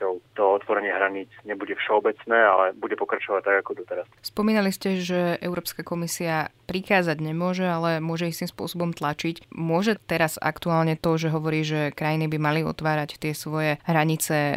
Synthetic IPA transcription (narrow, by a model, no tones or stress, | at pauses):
ɔʊt̪ɔɔt̪ʋɔɾɛɲɪaɦɾaɲiːt͡sɲɛbuɟɛfʃɛɔbɛt͡snɛːa̰lɛbuɟɛpɔkɾat͡ʃɔʋact̪aɡakɔd̪ɔt̪ɛɾasspɔmiːnaliscɛʒɛɛ̰ʊɾɔːpskakɔmisiapɾixaːd͡zaɟɲɛmʊɔʒɛalɛmʊɔʒɛist̪imspʊɔsɔbɔmt̪lat͡ʃicmʊɔʒɛt̪ɛɾaza̰kt̪uaːlɲɛt̪ɔʒɛɦɔʋɔɾiːʒɛkɾajinibimaliɔ̰t̪ʋaːɾact̪ɪɛsʋɔjɛɦɾaɲit͡sɛ